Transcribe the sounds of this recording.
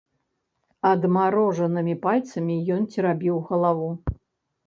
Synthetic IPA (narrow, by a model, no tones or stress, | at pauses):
ɐd̪maɾɔʐɐnɨmʲipalʲt̪sɐmʲijɔnt͡sʲɛɾabʲiwɣɐlˠavu